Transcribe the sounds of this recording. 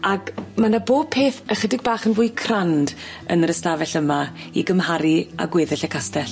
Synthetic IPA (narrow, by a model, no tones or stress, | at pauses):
aɡmanaboːb̚pʰeːθəχədɪɡ̚baːχənvʊːjkʰrand | ə̰nrəstavɛɬəma | iɡəmhaɾia̰ɡwɪːðɛɬəkʰastɛɬ